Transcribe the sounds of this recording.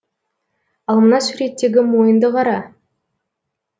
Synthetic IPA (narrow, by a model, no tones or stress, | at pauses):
ɑlˠmənɑsuɾe̞t̪ːe̞ɡʲɪmo̞jənd̪əqɑɾɑ